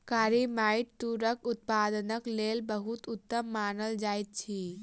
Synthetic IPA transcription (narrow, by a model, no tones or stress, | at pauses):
kaːɾimaːiʈt̪uɾəkʊt̪̚pad̪ənəklelbəɦut̪ut̪ːəmːaːnəld͡ʒaːjt̪̚t͡ʃʰi